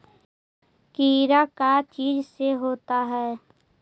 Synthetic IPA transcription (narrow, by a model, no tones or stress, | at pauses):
kiːɾakat͡ʃiːd͡ʒseɦoːt̪aɦɛː